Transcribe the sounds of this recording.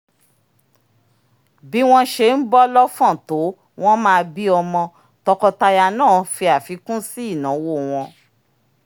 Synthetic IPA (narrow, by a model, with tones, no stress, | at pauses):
bi˨˦w̃ɔ̃˦ʃe˧˨n̩˦bɔ˦lɔ˦fɔ̃˦˨to˨˦ | w̃ɔ̃˦mãː˦˧bi˦ɔ˧mɔ̃˧ | tɔ˧kɔ˧ta˧ja˧nãː˦˨fi˧a˨fi˨˦kũ˦si˦i˦˨nã˨˦wo˦˨w̃ɔ̃˧